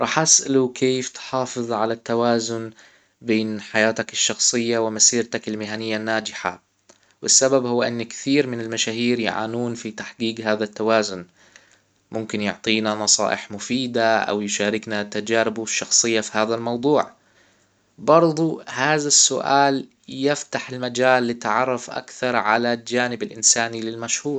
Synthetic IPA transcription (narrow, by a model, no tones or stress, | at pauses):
ɾˤɑːħʔasʔa̰lukʰeːft̪ħɑːfɨðˤʕalat̪ːawaːzʊn | beːnħajaːt̪akɪʃːɑxsˤɨjːawɪmasiːɾt̪akɪlmɪɦanɪjːanːaːd͡ʒɪħa̰ | wɪsːababhʊwːʔɪnːkɪ̥θiːɾmɪnɪlmaʃaːhiːɾjʕa̰ːnuːnfit̪aħɡiːɡhaːðat̪ːawaːzʊn | mʊmkɪnjʊ̰ʕt̪ˤiːnanɑsˤɑ̰ːʔɪħmʊfiːd̪aʔa̰wjʃaːɾɪknat̪ad͡ʒaːɾɪbuʃːɑxsˤɨjːafihaːðalmɑwd̪ˤuːʕ | bɑɾˤd̪ˤuhaːðasːʊ̰ʔaːl | jɪft̪aħɪlmad͡ʒaːlːɪt̪ʕɑrˤːɑfʔa̰kθɑɾˤʕalald͡ʒaːnɪbɪlʔɪnsaːnilɪlmaʃhuːɾˤ